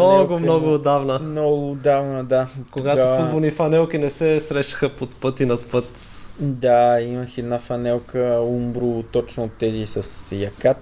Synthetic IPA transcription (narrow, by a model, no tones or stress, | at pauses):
oɡʊmnɔɡʊːd̪avnəmnɔɡʊːd̪avnəd̪akoɡataʊfud̪bolˠnifɐnɛlˠk̟inɛsɛsɾɛʃɐ̥xəpot̪pɤt̪inɐt̪pɤt̪ | d̪aimɐxɛd̪nafɐnɛlˠkəumbɾut̪ɔt͡ʃnʊt̪ɛzisɐsjɐkat̪